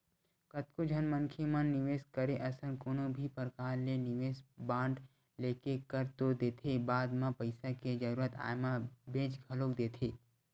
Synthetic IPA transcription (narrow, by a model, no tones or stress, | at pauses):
kət̪kod͡ʒʱənmənkʰemənːɪʋeːskəɾeʔɐsənkoːnobʱipəɾkaːɾlenɪʋeːsbãːɳɖ | leːkekəɾt̪od̪eːt̪ʰebaːd̪mãpəɪsaked͡ʒəɾuːɾət̪a̰ːjmabeːd͡ʒɡʱəloːkd̪eːt̪ʰeː